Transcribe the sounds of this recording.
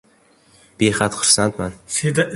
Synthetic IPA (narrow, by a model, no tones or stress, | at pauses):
b̥eχat̪χʊɾsant̪mansed̪aʔ